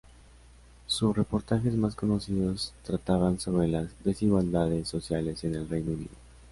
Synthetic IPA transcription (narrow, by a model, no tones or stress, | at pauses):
susre̞po̞ɾt̪axe̞zmasko̞no̞siðo̞st̪ɾat̪aβanso̞βɾe̞lazðe̞siɣwald̪aðe̞sːo̞sjale̞se̞ne̞lre̞jnounḭðo